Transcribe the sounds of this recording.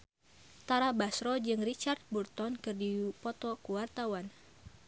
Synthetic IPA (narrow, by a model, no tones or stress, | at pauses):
t̪aɾabasɾɔd͡ʒɨŋrit͡ʃart̪̚burt̪ɔnkɨrdiupɔt̪ɔkuwart̪awan